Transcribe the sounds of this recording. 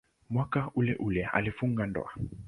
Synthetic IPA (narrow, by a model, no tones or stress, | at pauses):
mwakaulɛʔulɛa̰lifuŋɡandɔ̰a